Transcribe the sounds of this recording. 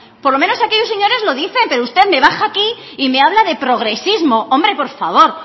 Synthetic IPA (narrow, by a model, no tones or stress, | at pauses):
poɾlo̞meno̞sakeʎoseɲo̞ɾe̞zlo̞ðiθe̞mpe̞ɾoust̪e̞ðme̞βaxaːki | ime̞aβlaðe̞pɾo̞ɣ̞ɾe̞sizmo̞ʔo̞mbɾe̞po̞ɾfaβ̞o̞ɾ